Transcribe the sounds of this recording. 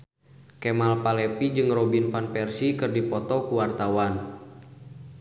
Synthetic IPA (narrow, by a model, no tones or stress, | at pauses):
kɛmalpalɛpid͡ʒɨŋrɔbinfanpɛrsikɨrdipɔt̪ɔkuwart̪awan